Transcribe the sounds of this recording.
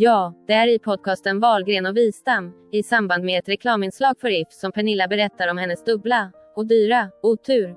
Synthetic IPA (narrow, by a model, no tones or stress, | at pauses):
jɑːd̪̥ɛæɾɪpʰɔd̪̚kʰɑːst̪ənvɑːlɡɾeːnɔviːsd̪amː | ɪsamband̪meɛt̪ɾɛkʰlɑːmɪnslɑːɡfœɾɪfsɔmpʰɛɳɪlːabɛɾɛt̪ːaɾɔmhɛnːəsd̪ɵbla | ɔd̪yːɾauːt̪ʰʉ̟ːɾ